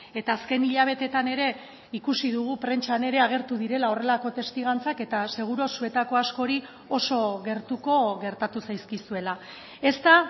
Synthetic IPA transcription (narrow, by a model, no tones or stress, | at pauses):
e̞t̪aːske̞niʎaβ̞e̞t̪e̞t̪ane̞ɾe̞ | ikusiðuɣ̞upɾe̞nt͡ʃane̞ɾe̞aɣ̞e̞ɾt̪uðiɾe̞lao̞re̞lako̞t̪e̞st̪iɣant͡sake̞t̪ase̞ɣuɾo̞sue̞t̪ako̞asko̞ɾi | o̞so̞ɣe̞ɾt̪uko̞ɣe̞ɾt̪at̪usajskisue̞la | e̞st̪a